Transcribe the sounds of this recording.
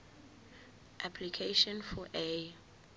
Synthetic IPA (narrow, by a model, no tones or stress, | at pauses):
ʔapʰlikʰeʃɔ̃nfɔʔe